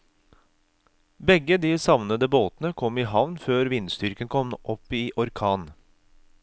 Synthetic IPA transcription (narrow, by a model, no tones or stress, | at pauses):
bɛɡəd̪iːsɑʋnəd̪əboːt̪n̩əkʰɔmiːɦɑʋnføːɾʋɪnst̪ʏɾkənkʰɔmʔɔpiːʔɔɾkʰɑːn